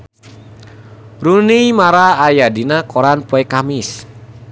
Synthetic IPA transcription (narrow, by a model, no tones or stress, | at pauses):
ɾunijmaɾaːjadinakʰɔɾanpɔɛkamis